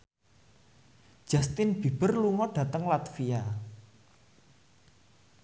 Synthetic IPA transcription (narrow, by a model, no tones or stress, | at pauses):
d̥ʒ̥a̤st̪ɪnb̥i̤b̥ərluŋɔɖ̥ä̤t̪əŋlat̪fia